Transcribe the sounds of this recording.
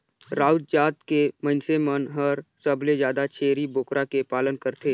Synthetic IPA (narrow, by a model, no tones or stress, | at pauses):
ɾaːʊd͡ʒd͡ʒaːt̪kemə̃nsemənɦəɾsəbʱled͡ʒjaːd̪at͡ʃʰeːɾiboːkɾakepaːlənkəɾt̪ʰeː